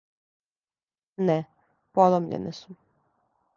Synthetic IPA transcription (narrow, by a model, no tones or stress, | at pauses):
nɛ | polˠomʎḛnɛ̰su